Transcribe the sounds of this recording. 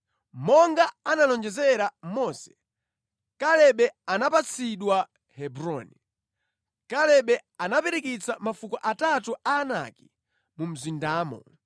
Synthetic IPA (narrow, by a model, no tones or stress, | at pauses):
mɔŋɡaanalɔnd͡ʒɛzɛɾamɔsɛ̥ | kalɛɓɛanapat͡sʰiɗwa | hɛbɾɔni | kalɛɓɛanapɛɾikit͡samafukɔʔatatuʔaːna̰ki | mum̩zindaːmɔ̰